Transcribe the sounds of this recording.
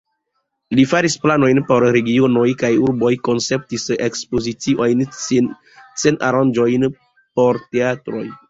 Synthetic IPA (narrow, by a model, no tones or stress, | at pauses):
lifaɾisplano̞jnpo̞ɾɾe̞ɡionojkajuɾbo̞jko̞nse̞p̚tisekspozit͡siʔo̞jnsn | sena̰ɾand͡ʒojn | po̞ɾte̞atɾo̞j